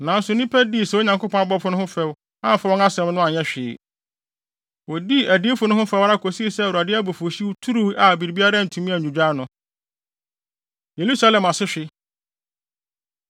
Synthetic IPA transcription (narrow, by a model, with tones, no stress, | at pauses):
nã˨n̩˦sʊ˨˦nĩ˦pʰɛ˦di˦˨sɛ˦wo˦ɲã˨ŋkʰʷʊ˦pʰɔ̃˦a˦bɔ˦pʰʊ˦nʊ̃˦hʊ̃˦fɛ˦w | ã˦m˨fa˦wɔ̃˦na˦sɛ̃˨˦mnʊ̃˦a˨ɲɛ̃˦ɕᶣɪː˨ | wɔ˨di˦æ˨dɪ˦e˦fʊ˨nʊ̃˦hʊ̃˦fɛ˦wɾa˦kʰo˨si˦˨sɛ˦˨a˨dɪ˦æ˦bo˨fo˨ɕi˦wtʰu˦ɾu˦wʔa˨bi˨ɾi˨bi˦a˦ɾa˦˨n̩˨tʰũ˨mĩ˦æ˨ɲ˨ũ˨d͡ʑᶣa˦nʊ̃˨ | je˨ɾu˦sa˦lɛ̃˨ma˨sɪ˦ɕᶣɪ˦